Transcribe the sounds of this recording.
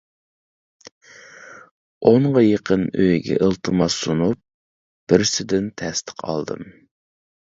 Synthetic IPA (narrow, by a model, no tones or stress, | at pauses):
oɴʁɑjeqʰənøjɡʲɛ̰ʔəlˠt̪ʰɨmɑsːunup̚ | b̥ɪɾsɪd̪ɪnt̪ʰɛst̪ʰə̥qʰɑ̰lˠd̪ɨ̰m